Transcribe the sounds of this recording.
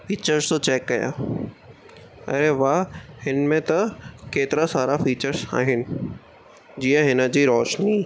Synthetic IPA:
fiːt͡ɕəɾzt̪ot͡ɕɛːkːɐja̰ː | ɐ̰ɾeʋahɪnmẽt̪ɐkeːt̪ɪɾasaːɾafiːt͡ɕəɾza̰ːɦɪnɪ̆ | d͡ʑiːə̃ɦɪnə̆d͡ʑiːɾɔːʃniː

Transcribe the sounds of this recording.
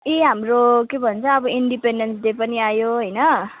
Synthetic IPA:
eɦamrokebʱʌnt͡sʰʌːbʌiɳɖipenɖensd̪epʌniajoɦʌjnʌ

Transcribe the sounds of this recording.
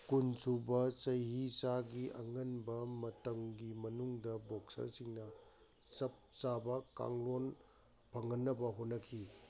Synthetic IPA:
kunsubɐt͡ʃɐjhisaɡiʔɐ̰ŋɐnbɐmɐtɐŋɡimɐnuŋdɐboksɐ̰ɾsiŋnɐ | sɐp̚sabɐka̰ŋlon | pʰɐŋɐnːɐbɐɦonːɐkʰi

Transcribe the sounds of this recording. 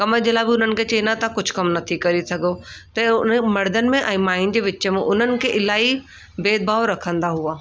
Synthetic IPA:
kɐməd͡ʑelabɪʊnənɪ̆kʰet͡ɕɐinat̪akʊd͡ʑʱkɐmnɐt̪ʰikɐɾisɐɡʱot̪ɐʊnmɐɽd̪ənɪ̆mẽʔɛ̃ːmaːin̆d͡ʑeːʋɪmẽʔʊn̤ənɪ̆kʰeʔɪlaːi | beːd̪̚bʱaːʋɾɐkʰə̃nd̪aɦuaː

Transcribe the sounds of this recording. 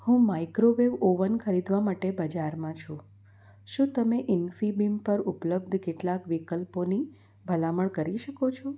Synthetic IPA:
hũmajkɾoʋeʋoʋənkʰəɾid̪ʋamaʈebəd͡ʒaɾmãt͡ʃʰũ | ʃũt̪əmeʔɪnfibimpəɾupləb̚d̪ʱkeʈlakʋikəlponi | bʱəlaməɭkəɾiʃəkot͡ʃʰũ

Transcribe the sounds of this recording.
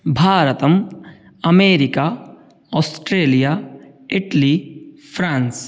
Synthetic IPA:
bʱaːɾət̪əm | ɐmeːɾikaː | ɔːsʈɾeːlijaː | ɪʈli | pʰɾãːns

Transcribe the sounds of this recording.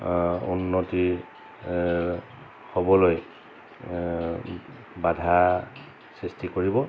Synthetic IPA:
unːoti | hobɔloj | badʱa | sistikoɹibɔ

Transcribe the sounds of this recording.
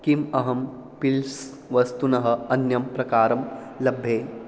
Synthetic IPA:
kimɐɦɐmpils | ʋɐst̪unɐɦɐ̆ɐnjɐmpɾɐkaːɾɐm | lɐbʱːeː

